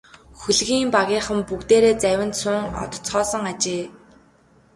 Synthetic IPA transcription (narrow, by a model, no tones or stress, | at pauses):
xuɮɣiːmpaɣʲiːχə̆mpukt̪eːɾeːt͡sæwʲə̆nt̪sʊŋɔ̰t̪̆ʰt͡sχɔːsɞ̆ŋat͡ɕeː